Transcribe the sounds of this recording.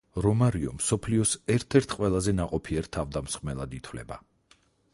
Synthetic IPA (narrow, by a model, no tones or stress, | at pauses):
ɾɔmaɾiɔ̰msɔpʰliɔsɛɾt̪ʰɛɾt̪ʰqʼwɛlˠazɛnaqʼɔpʰiɛɾt̪ʰavd̪amsχʼmɛlˠad̪it̪ʰwlɛ̰ba